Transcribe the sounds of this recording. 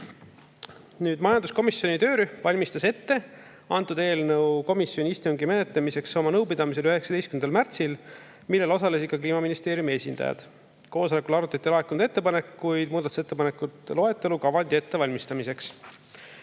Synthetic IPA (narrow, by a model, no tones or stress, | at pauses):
nyːd̪mɑjɑnd̪usko̞misjo̞nit̪øːɾyvɑlʲmist̪ɑse̞t̪ːe̞ | ɑnt̪ːˑud̪̥e̞ːlnɤwko̞misjo̞nʲiist̪uŋɡime̞ne̞t̪lemise̞kso̞mɑnɤwpid̪ɑmise̞lyɦe̞ksɑd̪e̞jst̪kymnd̪ɑlmært̪sil | milːelo̞sɑle̞s̬ikːˑɑkliːmɑminist̪eːɾjumie̞sʲind̪̥ɑ̰jɑ̰d̪̥ | ko̞ːsole̞kˑulɑɾut̪ːˑɑt̪ːˑilɑe̞kːund̪e̞t̪ːe̞pɑne̞kːujd̪muːd̪ɑt̪u̥se̞t̪ːe̞pɑne̞kːut̪lo̞e̞t̪ːˑe̞lukɑvɑnʲd̪̥ʲie̞t̪ːe̞vɑlʲmist̪ɑmise̞ks